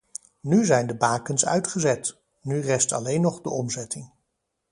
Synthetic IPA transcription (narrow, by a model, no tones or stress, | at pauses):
nyzɛjndəbaːkənsœ̰ɥtχəzɛt | nyrɛstɑ̰lejnɔχdəʔɔmzɛtɪŋ